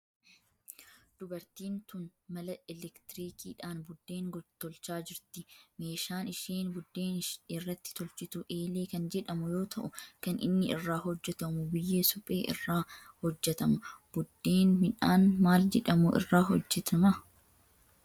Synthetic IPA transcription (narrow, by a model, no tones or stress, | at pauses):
d̪̥ʊbɐɾt̪iːnt̪ʊnmɐlɐɛlɛkt̪ɪɾiːkʰiːᶑaːnbʊd̪ːeːŋɡɔt̪ːɔlt͡ʃaːd͡ʒɪɾt̪ɪme̞ːʃaːnɪʃeːnbʊd̪ːeːnɪʃɪrːɐt̪ːɪ̥t̪ɔlt͡ʃɪt̪ʊʔeːle̞ːkɐnd͡ʒɛᶑɐmʊjo̞ːt̪ʰɐʔʊkɐnʔɪ̰nːɪɪrːaːɦɔd͡ʒːɛt̪ɐmʊbɪjːeːsʊpʼe̞̰ːʔɪ̰rːaː | hɔd͡ʒːɛt̪ɐmɐb̥ʊd̪ːe̞ːnmɪᶑaːnmaːld͡ʒɛᶑɐmʊʔɪ̰rːaːɦɔ̰d͡ʒːɛt̪ʰɐmɐ